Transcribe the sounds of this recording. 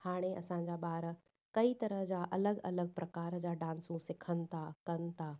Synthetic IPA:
haːɽ̃eʔɐ̰sãɲ̆d͡ʑaːɓaːɾ | kɐit̪ɐɾəɦd͡ʑaʔɐləɡɐləɡ̚pɾɐkaːɾd͡ʑaːɖãːnsũsɪkʰənɪ̆t̪ʰakɐnɪ̆t̪ʰaː

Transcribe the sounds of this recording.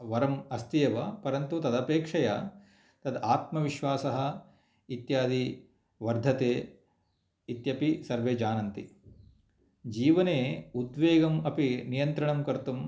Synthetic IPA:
ʋɐɾɐmɐst̪ijɐʋɐpɐɾɐnt̪ut̪ɐd̪ɐpeːkʂɐjɐ̰ | t̪ɐd̪aːt̪mɐʋiʃʋaːsɐɦɐ̆ | it̪jaːd̪i | ʋɐɾd̪ʱɐt̪eː | it̪jɐpisɐɾʋeːd͡ʒaːnɐnt̪i | d͡ʒiːʋɐneːud̪ʋeːɡɐmɐpinijɐnt̪ɾɐɳɐmkɐɾt̪um

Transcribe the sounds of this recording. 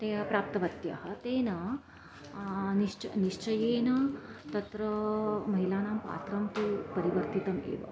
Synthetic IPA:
t̪eːɐpɾaːp̚t̪ɐʋɐt̪jɐ̰ɦɐt̪eːnɐ | niʂt͡ʃɐniʂt͡ʃɐjeːnɐt̪ɐt̪ɾɐmɐɦilaːnaːmpa̰ːt̪ɾɐmt̪upɐɾiʋɐɾt̪it̪ɐmḛːʋɐ̰

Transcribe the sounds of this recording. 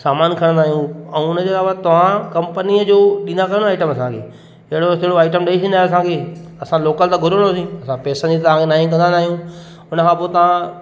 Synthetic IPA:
saːmaːnkʰɐɽ̃aːɦijũɛ̃ʊnəd͡ʑeːlaːʋat̪ɐʋ̤ãkɐ̃mpəniəd͡ʑoːɗĩːnd̪akɐɾə̃naːɪʈəmɐsãkʰḛː | ɦɪɽosɪɦɪɽoaːɪʈəmɗeisĩnaːeɐsãkʰeːɐsãloːkəlt̪aɡʱʊɾəɽoːsĩɐsãpɛːsə̃nit̪ɐʋ̤ãkʰenaːɦĩk̬ɐ̃nd̪ãnaːɦijũ | ʊnəkʰãpot̪ɐʋ̤ã

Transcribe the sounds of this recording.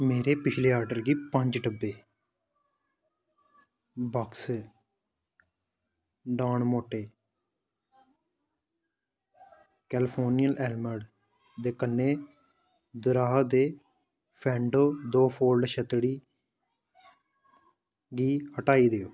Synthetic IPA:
meːɾeːpɪt͡ʃʰleːaːɾɖəɾɡiːpə̃ɲd͡ʒʈəbːeː | baːks | ɖaːɳmoːʈeː | kɛːlpʰoːnijəlʔɛːlməɖ | d̪eːkənːeː | d̪ʊɾaːɦd̪eː | pʰɛ̃ːɳɖoːd̪oːpʰoːlɖʃət̪ɽiː | ɡiːhəʈaːiːd̪eːoː

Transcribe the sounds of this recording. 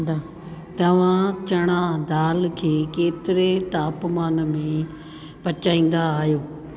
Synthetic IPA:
d̪a | t̪ɐʋ̤ãt͡ɕɐɽ̃ad̪aːlkʰeːkeːt̪ɪɾet̪aːpmaːnmẽ | pɐt͡ɕaːĩːn̆d̪aːɦjoː

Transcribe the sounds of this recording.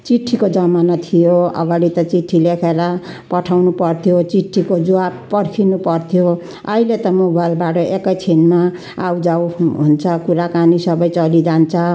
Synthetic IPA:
t͡siʈʰːikod͡zʌmanat̪ʰijoʌ̰ɡaɽit̪ʌt͡siʈʰːilekʰeɾʌpʌʈʰawnupʌrt̪ʰijot͡siʈʰːikod͡zuabpʌɽkʰinupʌrt̪ʰijo | ʌilet̪ʌmobajlbaʈʌʔekʌjt͡sʰinma | awd͡zawɦunt͡sʰʌkuɾakanisʌbʌjt͡sʌlid͡zant͡sʰʌ

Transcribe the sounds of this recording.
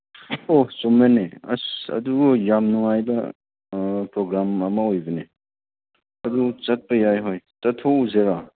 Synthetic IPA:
osomeneɐ̰sɐ̰dujamnuŋajbɐ | pɾoɡɾamɐmɐojbɐne | ɐdut͡ʃɐt̚pɐjajɦojtɐtʰouzeɾa

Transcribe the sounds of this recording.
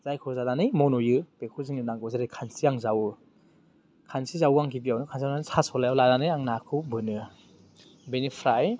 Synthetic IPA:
z̥ajkʰɔzadanɯjmɔnɔjɯb̥ekʰuziŋninaŋkɔzaɾɯjkʰansiaŋzaw | kʰansizawuaŋkʰibijawnɯkʰansijananɯsʰasɔlajawladanɯjaŋnakʰɯwbɯnɯ | benipʰɾaj

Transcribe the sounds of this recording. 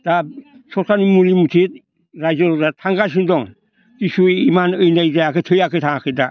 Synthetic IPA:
d̥asɔkʰanimuɾimutʰit̪̚ | ɾajzəɾɔdat̪ʰaŋɡas̬indɔŋ | d͡ʒisuimanɯjnajd͡ʒajakɯtʰɯjakʰɯtʰaakʰɯda

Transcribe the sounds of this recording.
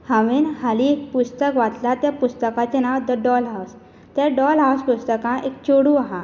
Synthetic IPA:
hãʋenhaliekpust̪əkʋat̪lat̪japust̪əkat͡ɕenawd̪əɖɔlɦaws | t̪jaɖɔlɦawsɡust̪əkãʔek̚t͡ɕoɽuaɦa

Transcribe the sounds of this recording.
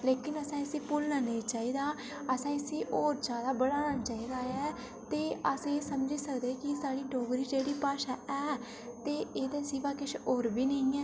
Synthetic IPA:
leːkɪnəsãːɪsiːpʊlnaːnə̃ĩːt͡ʃaːiːd̪aː | əsãːɪsiːʔoːɾd͡ʒaːd̪aːbəɽaːnaːt͡ʃaːiːd̪aːɛː | t̪eːəsẽsəmd͡ʒiːsəkd̪eːkɪsaːɽiːɖoːɡɾiːd͡ʒeːɽiːpaːʃaːʔɛː | t̪eːeːd̪aːsiːʋaːkɪʃoːɾbiːnəĩːɛː

